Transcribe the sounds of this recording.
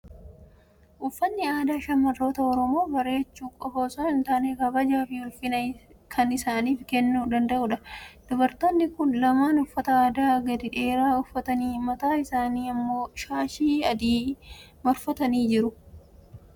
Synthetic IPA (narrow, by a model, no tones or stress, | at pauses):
ʔʊfːɐnːɪaːd̪aːʃɐnmɐrːo̞ːt̪ɐɔɾɔmo̞ːbɐɾe̞ːt͡ʃːuːkʼɔfoːsoːnɪnt̪aːneːkɐbɐd͡ʒaːfɪhʊlfɪnɐkʰɐnɪsaːniːfkɛnːuːd̪ɐnd̪ɐʔʊᶑɐd̪̥ɔbɐɾt̪oːnːɪkʊnlɐmaːnʊfːɐt̪ɐaːd̪aːɡɐd̪ɪᶑe̞ːɾaːʊfːɐt̪ɐniːmɐt̪aːɪsaːniːɐmːo̞ːʃaːʃiːɐd̪iː | mɐɾfɐt̪ɐniːd͡ʒɪɾʊ